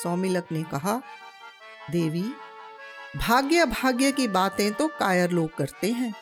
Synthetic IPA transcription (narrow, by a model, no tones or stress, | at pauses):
sɔːmiləknekɐɦa | d̪eːʋi | bʱaːɡjəbʱaːɡjəkibaːt̪ẽt̪okaːjəɾloːɡ̚kɐɾt̪eɦɛ̃ː